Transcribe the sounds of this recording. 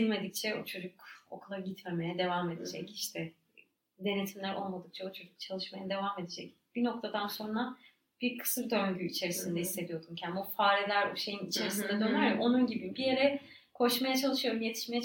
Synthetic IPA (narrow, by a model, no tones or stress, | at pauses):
ilʲme̞d̪ic̚t͡ʃʰɛot͡ʃʰo̞d͡ʒuko̞̰kʰulˠaɾɟit̪me̞me̞jɛd̪e̞vame̞d̪e̞d͡ʒɛciʃt̪ʰɛ | d̪e̞ne̞t̪ʰimlʲæɾʔo̞lˠmad̪ɯk̚t͡ʃʰɛot͡ʃʰo̞d͡ʒuk̚t͡ʃʰalˠɯʃmajad̪e̞vame̞d̪ed͡ʒɛc̚ | b̥ino̞k̚t̪ʰad̪anso̞nɾa | b̥iɾkʰɯ̥sɯɾd̪øɲɟyit͡ʃʰe̞ɾisind̪ɛhisːe̞d̪ijo̞d̪umcʰænbufaːɾɛlʲæɾʃe̞jinit͡ʃʰe̞ɾisind̪ɛd̪ønæɾɛʔo̞nunɟibibije̞ɾɛ | kʰo̞ʃmajat͡ʃʰalˠɯʃɯjo̞ɾumje̞t̪ʰi̥ʃmejɛ